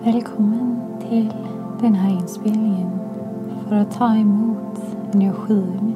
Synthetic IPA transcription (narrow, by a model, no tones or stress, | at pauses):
vɛːlkʰɔmːənt̪ʰɪl | d̪̥ɛnɦæɾɪnspeːlnɪŋən | fœɾat̪ʰːɑːɛmuːt̪ | ɛnəɧiːəm